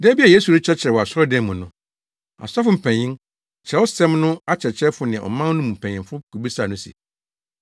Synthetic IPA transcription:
dɛ˦bi˦a˨je˦su˨ɾi˦t͡ɕʰɛ˦t͡ɕʰɪ˨ɾɛ˨ɔ˨a˨sɔ˦dɛ̃˦˨mũ˨nʊ̃˨ | a̰˨sa˦fʊ˨m̩˨pʰɛ̃˨ɲɪ̃˦ŋ | t͡ɕʰɛ˨˦ɔ˦sɛ̃˦mnʊ̃˦a˦t͡ɕʰɛ˨t͡ɕʰɛ˦fʊ˨nɪ̃˨ʔɔ̰˨mã˦n˦nũ˦mm̩˨pʰɛ̃˨ɲ̃ɪ̃˨fʊ˦kʰu˨bi˦sa˨nʊ̃˦sḭ˨

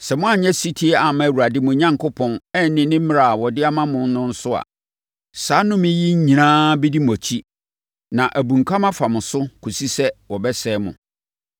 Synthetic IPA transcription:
sɛ˨mʊ̃˦a˨ɲɛ̃˦si˦tʰi˦ɛ˦a˨mã˦˨wu˨a˨dɪ˦mʊ̃˨˦ɲã˦ŋkʰʊ˦pʰɔ̃˨nɛ˦n˨nːɪ̃˨nɪ̃˦m̩˦mɪ̃˦ɾa˨wɔ˨dɪ˦a˦mã˦mʊ̃˨n˦nʊ̃˦n̩˦sʊ˦a̰˨ | saː˨˦nʊ̃˦mɪ̃˦ji˦ɲ̩˦ɲĩ˨nãː˦bɛ˦di˦mɔ̃˨t͡ɕʰi˦ | nã˨ʔæ˨bũ˨ŋ̩˨kʰa˦mã˦fa˨mʊ̃˨sʊ˦kʰu˨si˦sɛ˦wɔ˨bɛ˦sɛː˦mʊ̰̃˨

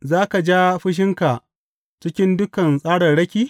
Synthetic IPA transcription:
zaː˦ka˨d͡ʒa˦ɸɪ˦ʃ̬ɪ˦ŋka˨ʔ | t͡ʃɪ˦kʲɪ˦ndʊ˦kɐ˨nsʼaː˦ɽɐ˨rɽɐ˦kʲiː˦

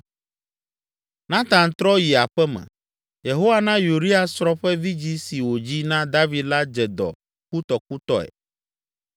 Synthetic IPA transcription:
nã˦t̪ã˨nt̪ɾɔ˦ji˨a˨ɸɛ˦mɛ̰̃˨ | je˨ɦo˦wa˦nã˦ju˨ɾi˦a˨sɾɔ˦ɸɛ˦vi˦d͡ʑi˦si˨wo˨d͡ʑi˦nã˦d̪a˦vi˨d̪la˦d͡ʒɛ˨d̪ɔ̰˨ | ku˦t̪ɔ˨ku˦t̪ɔ˦ɛ̰˨

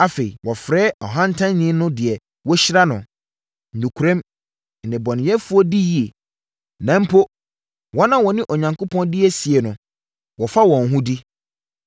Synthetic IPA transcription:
a˨fe˨i˨wɔ˨fɾɛː˦ɔ˨ɦã˦n̩˦tʰã˦nːɪ̃˦nʊ̃˦dɪ˨ɛ˨ | wɔ˦ɕɪ˦ɾa˦nʊ̃˨ | n̩˨dũ˨kʰu˨ɾɛ̃˦m | n̩˨nɪ̃˨bɔ˨nɪ̃˨jɛ˦fu˦ɔ˦di˦ji˨e˨ | nã˨m̩˦pʰo˦ | wɔ˦nã˦wɔ˨nɪ̃˦ʔɔ˨ɲã˨ŋko˦pʰɔ̃˦ndɪ˦ɛ˦si˨ɛ˨nʊ̃˨ | wɔ˨fa˦wɔ̃˨n˨ɦũ˦di˦

